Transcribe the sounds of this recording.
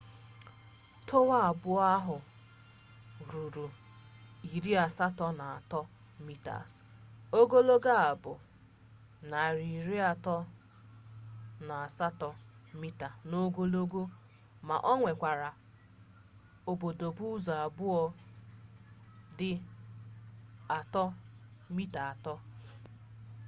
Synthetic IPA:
tʰʊ˦wa˦a˨bʊ˦ɔ˦a˦ɦʊ˨ | ɾu˨ɾu˨ | i˨ɾi˦a˨sa˦tɔ˦na˨a˨tɔ˦ | mi˦ta̰˨s | o˦ɡo˦lo˦ɡa˦a˨bʊ˨ | na˨ɾi˨ɾi˦a˨tɔ˦ | na˨a˨sa˦tɔ˦mi˦ta˨no˦ɡo˦lo˦ɡo˦ | ma̰˨ʔɔ˦ŋʷe˨kʷa˨ɾa˨ | o˨bo˨do˨bu˦za˨a˨bʊ˦ɔ˦ | dɪ˦ | a˨tɔ˦mi˦ta˨a˨tɔ˦

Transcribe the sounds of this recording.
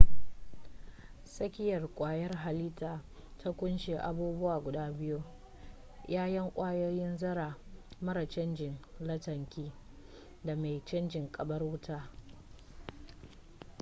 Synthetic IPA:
sɐ˦kʲɪ˦jɐ˨rkʷʼaː˨jɐ˦rɦa˨liː˦taː˨ | tʰa˦kʷʊ˦nʃeː˨ʔa˨buː˦bʊ˦waː˨ɡʷʊ˨daː˦bɪ˦ju˦ | jʔaː˦jɐ˦ŋkʷʼaː˦joː˦jɪ˦nzɐ˦ɾaː˨mɐ˦ɾa˨t͡ʃɐ˦nd͡ʒɪ˨nlɐ˦tɐ˨ŋkʲiː˦ | da˨ma˨jt͡ʃɐ˦nd͡ʒɪ˨ŋkʼɐ˨bɐ˦rwʊ˦taː˦

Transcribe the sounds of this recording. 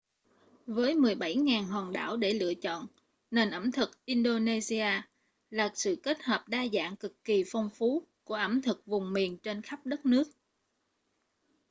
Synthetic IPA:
vəː˨˦jmɨ˨˩əjɓa˧˩jŋaː˨˩nɦɔː˨˩nɗa̰ː˧˩wɗe˧˩lɨ̰˧˨ət͡ɕɔ̰˧˨n | ne˨˩nʔə˧˩mt̪ʰɨ˨˩k̚ʔi˧nɗo˧ne˧zi˧aː˧ | laː˨˩k̚sɨ̰˧˨ke˦˥t̚həː˨˩p̚ɗaː˧za̰ː˧˨ŋkɨ˨˩kːi˨˩fɔ˧wŋ͡mfu˨˦ku˧˩əʔə˧˩mt̪ʰɨ˨˩k̚vʊ˨˩ŋ͡mmi˨˩ənt͡ɕe˧nxa˦˥p̚ɗə˦˥t̚nɨ˦˥ək̚

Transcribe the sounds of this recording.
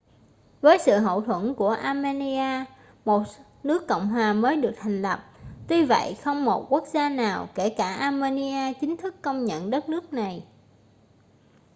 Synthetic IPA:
vəː˨˦jsɨ̰˧˨ɦo̰˧˨t̪ʰwə˧˩nku˧˩əʔaː˧me˧ni˧aː˧ | mo˨˩t̚ | nɨ˦˥əkːɔ̰˧˨wŋ͡mɦwaː˨˩məː˨˦jɗɨ˨˩ək̚t̪ʰa˨˩ŋ̟lə˨˩p̚t̪wi˧və̰˧˨jxə˧wŋ͡mmo˨˩t̚ku˦˥ək̚zaː˧naː˨˩wke˧˩kaː˧˩ʔaː˧me˧ni˧ʔaː˧t͡ɕï˨˦ŋ̟t̪ʰɨ˦˥kːə˧wŋ͡mɲə̰˧˨nɗə˦˥t̚nɨ˦˥ək̚na˨˩j

